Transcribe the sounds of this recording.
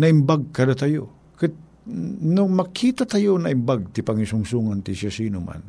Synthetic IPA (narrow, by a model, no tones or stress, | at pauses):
nɐʔɪmbaɡ̚kad̪at̪ajo | kɨt̪̚ | nʊmakʰiːt̪at̪ajonaʔɪmbaɡ̚t̪ɪpaŋisʊŋsuŋant̪ɪsasiːnoma̰n